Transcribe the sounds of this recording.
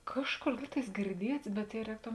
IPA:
ˈkɑːʃˌkoːr ˈlʲiːk tɐɪs ɡʲɪrʲˈdʲiɛts bʲɛt jɛɪ ˈrʲɛːktoːm

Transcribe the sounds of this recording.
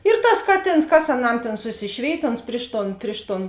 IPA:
ɪr tɐs ˈkɑːˌtʲeːns kɐs ɐˈnɐm ˈtʲeːn sʊˈsʲɪʃʲʋʲeːɪtʲ oːns ˈpʲrʲɪʃ ˌtoːn ˈpʲrʲɪʃ ˌtoːn

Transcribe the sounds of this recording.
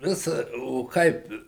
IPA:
ˈʋʲɪs oː ˈkɐɪp

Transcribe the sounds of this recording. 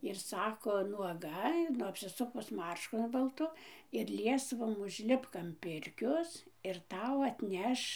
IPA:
ɪr ˈsɑːkoː nuɔˈɡɐ ˈnʊ ɐpʲsʲɪˈsʊkʊs ˈmɐrʃkʊ bɐlˠˈtʊ ɪr ˈlʲiɛsʋoːm ʊʒʲˈlʲɪpk ɐm ˈpʲɪrʲkʲoːs ɪr ˈtɐʊ ɐtʲˈnʲɛʃ

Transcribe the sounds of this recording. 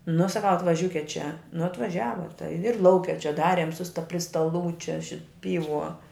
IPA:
nʊ sɐˈkɐʊ ɐtʋɐˈʒʲuːkʲɛt t͡ʃʲɛ nʊ ɐtʋɐˈʒʲæːʋɐ tɐɪ ɪr ˈlˠɐʊkʲɛ t͡ʃʲɛ ˈdɑːrʲeːm sʊ stɐ pʲrʲɪ stɐˈlˠuː ˈt͡ʃʲɛ ˈʃʲɪt ˈpʲiːˌʋuɔ

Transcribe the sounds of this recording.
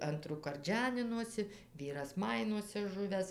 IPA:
ˈɐntruːkɐrt ˈʒʲæːnʲɪnoːsʲɪ ˈʋʲiːrɐs ˈmɐɪnuɔsʲɛ ˈʒʊʋʲæːs

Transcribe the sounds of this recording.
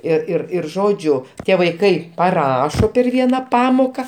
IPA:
ɪr ɪr ɪr ˈʒoːd͡ʒʲʊ ˈtʲiɛ ʋɐɪˈkɐɪ pɐˈrɑːʃoː pʲɛr ˈʋʲiɛnɐ ˈpɑːmoːkɐ

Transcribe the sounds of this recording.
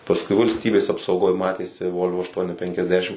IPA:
pɐsˈkʊɪ ʋɐlʲsʲˈtʲiːbʲeːs ɐpsɐʊˈɡoːj ˈmɑːtʲeːsʲɪ ˈʋoːlˠʋoː ɐʃˈtuɔnʲɪ pʲɛŋʲkʲɛzʲˈdʲæːʃʲɪm

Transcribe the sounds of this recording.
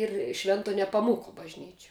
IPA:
ɪr ˈʃʲʋʲɛntoː nʲɛpɐˈmuːkoː bɐʒʲˈnʲiːt͡ʃʲɛ

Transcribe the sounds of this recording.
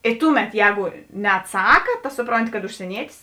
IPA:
ɪ ˈtʊˌmʲɛt ˈjɛːɡʊ nʲɛɐtˈsɑːkɐ tɐ ˈsʊproːnʲˌtʲɪ kɐt ʊʃʲsʲiɛˈnʲiɛtʲɪs

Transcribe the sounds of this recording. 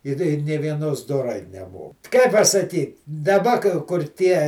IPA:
ɪr ɪ ˈnʲeː ʋʲiɛˈnoːs doːˈrɐɪ nʲɛˈmoː kɐɪ pɐsɐˈkʲiːt dɐˈbɐ kɐ kʊr ˈtʲiɛ

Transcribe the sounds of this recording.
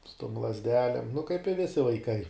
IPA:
sʊ toːm lˠɐzʲˈdʲæːlʲeːm nʊ kɐɪp ɪ ˈʋʲɪsʲɪ ʋɐɪˈkɐɪ

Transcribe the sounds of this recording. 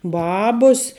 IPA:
ˈbɑːbʊs

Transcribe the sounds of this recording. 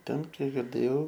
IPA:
ˈtʲɛn ˈkʲiɛk ɡʲɪrʲˈdʲeːjɛʊ

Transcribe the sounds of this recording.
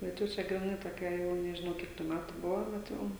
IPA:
bʲɛt ˈjɛʊ t͡ʃʲɛ ɡrʲɪˈnɐɪ toːˈkʲɛ ˈjɛʊ nʲɛʒʲɪˈnɐʊ ˈkʲiɛk tuː ˈmʲætʊ ˈbʊʋoː bʲɛt ˈjɛʊ

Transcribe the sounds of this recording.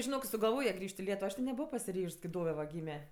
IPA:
ʒʲɪˈnoːk ɪ sʊɡɐlˠˈʋoːjɛ ˈɡrʲɪʃʲtʲ ɪ ˈlʲiɛtʊʋoː ˈɐʃ tʲɪ nʲɛˈbʊʋoː pɐsʲɪˈrʲiːʃs kɐɪ ˈdoːʋʲɛ ʋɐ ˈɡʲiːmʲɛ

